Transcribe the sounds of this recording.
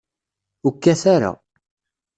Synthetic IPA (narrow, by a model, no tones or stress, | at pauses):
ukːæθaɾa̰